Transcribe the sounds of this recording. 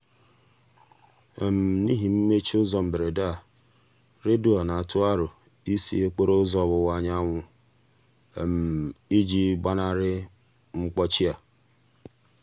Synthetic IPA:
e˨m̩˨ni˦ɦi˨m̩˦me˦t͡ʃi˦ʊ˦zɔ˦m̩˨be˨ɾe˨da˦˨ | ɾɪ˦dʊ˦ɔ˨na˨a˨tʊ˦a˦ɾʊ˨ | i˦sḭ˦e˦k͡pe˦ɾo˦zɔ˦˨bʊ˨wa˨ɲa˦ŋʷʊ˨ | e˨m̩˨i˦d͡ʒi˦ɡ͡ba˦na˦ɾɪ˦ | ŋ͡m̩˦k͡pɔ˦t͡ʃi˦a˨

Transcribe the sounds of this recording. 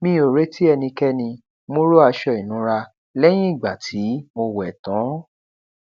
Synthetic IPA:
mĩ˧˦o˨ɾe˦ti˦ɛ˧nĩ˧kɛ˦nĩ˧ | mõ˦ɾo˦a˧ʃɔ˧i˨nũ˨˧˦ɾa˧ | lɛ˦j̃ĩ˦i˦˨ɡ͡ba˨tʰi˨˦mo˧wɛ˨tɔ̃˨˦

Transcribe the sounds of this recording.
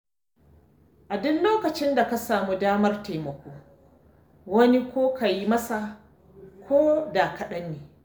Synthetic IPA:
ʔa˨dʊ˦nloː˦kɐ˨t͡ʃɪ˦nda˨ka˦saː˨mu˦daː˦mɐ˦rta˨mɐ˨kʷoː˦ | wɐ˦ni˦kʷoː˦ka˨ji˦mɐ˦sa˨ | kʰʷoː˦da˨kɐ˨ɗɐ˦nːeː˨

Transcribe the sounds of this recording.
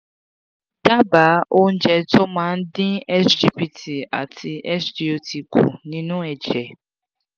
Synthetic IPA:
d̥a˦ba˨˦ʔo˦n̩˦d͡ʒɛ˨tɔ˦mã˦n̩˦dɪ˦ɛ˦sd͡ʒi˦pi˨tʰi˨a̰˨tʰɪ˨ʔɛ˦sdi˨o˨tʰi˨kʰṵ˨nĩ˦nʊ̃˦ɛ˨d͡ʒɛ˨

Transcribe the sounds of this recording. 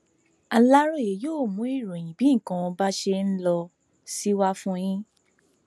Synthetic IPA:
a˧la˦ɾo˦˨je˨˦joː˦˨mũ˨˦i˦˨ɾũ˨j̃ĩ˨bĩ˨˦˨kã˧ba˦ʃe˧n̩˦lɔ˧ | si˦wa˦fũ˦j̃ĩ˦

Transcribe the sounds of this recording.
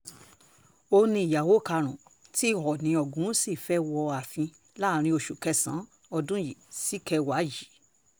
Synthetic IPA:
o˧nĩ˧˦i˨ja˨wo˦˨ka˧ɾ̃ũ˨ti˦˨hɔ˨nĩ˧˦ɔ˨ɡũ˨˦si˦˨fɛ˦wɔ˧a˨fĩ˧ | la˦˨ɾ̃ĩ˧o˧˨ʃu˨kɛ˧sã̰˨˦ | ɔ˧dũ˦ji˨si˦kʰɛ˧wa˨˦ji˨˦

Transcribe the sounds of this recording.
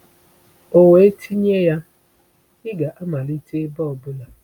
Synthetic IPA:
o˨we˨e˦tʰi˦ɲe˦ja˦ | ɪ˦ɡa˨ʔa˦ma˨li˦te˦bɔ˦˨bʊ˦la˨

